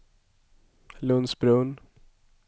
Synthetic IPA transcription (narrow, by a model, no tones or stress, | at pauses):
lɵnsbɾʉːn